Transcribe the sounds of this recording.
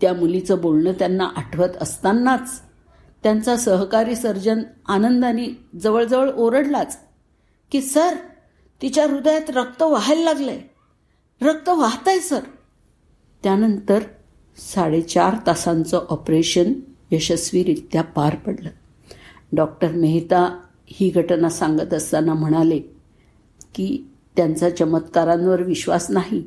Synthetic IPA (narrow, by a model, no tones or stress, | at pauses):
t̪jamulit͡səbolɳəːt̪janːaʔaʈʰʋət̪əst̪anːat͡s | t̪jant͡sasəɦkaɾiːsəɾd͡ʑənanənd̪anid͡zəʋəɭd͡zəʋəɭoɾəɽlat͡s | kiːsəɾ | t̪it͡ɕjaɾud̪jat̪ɾək̚t̪əʋaɦəlːaɡləj | ɾək̚t̪əʋaɦt̪ajsəɾ | t̪janənt̪əɾ | saɽet͡ɕaɾt̪asant͡sɔʔɔpɾeɕənjəɕəsʋiːɾit̪japaɾpəɽlə | ɖɔk̚ʈəɾmeɦit̪a | hiːɡʱəʈnasaŋɡət̪əst̪anam̤əɽ̃ale | kiː | t̪jant͡sat͡ɕəmət̪kaɾãnʋəɾʋiɕʋasnaɦi